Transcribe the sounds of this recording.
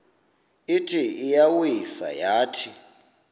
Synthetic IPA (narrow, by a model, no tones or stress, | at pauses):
itʼʰiijawisa̰jaːtʰi